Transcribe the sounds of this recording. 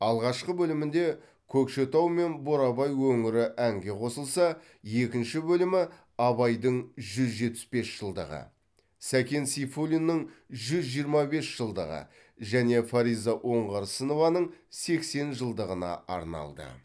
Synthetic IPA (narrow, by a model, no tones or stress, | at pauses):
ɑlˠʁɑʃqəbɵlɪmɪnd̪e̞ | kʲʰɵkʃet̪ɑwme̞nboɾɑbɑjwɵŋɪɾɪʔæŋɡʲe̞qʰo̞səlˠsɑ | je̞kʲɪnʃɪbɵlɪmɪ | ɑbɑjd̪əɴʒʏzʒe̞t̪ːɪ̥sbe̞sʒ̥əlˠd̪əʁə̰ | sækʲe̞nsifolʲinːəɴʒʏzʒijəɾmɑbe̞sʒ̥əlˠd̪əʁə̰ | ʒæne̞faɾijzaʔo̞ɴʁɑɾsəno̞vɑnəɴse̞kse̞nʒəlˠd̪əʁənɑ̰ɑ̰ɾnɑ̰lˠd̪ə̰